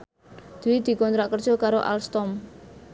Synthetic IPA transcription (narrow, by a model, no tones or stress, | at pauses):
d̪̥uwid̪̥i̤kɔnt̪ɾaʔkər̥ʒ̥ɔ̤kaɾoʔa̰lst̪ɔm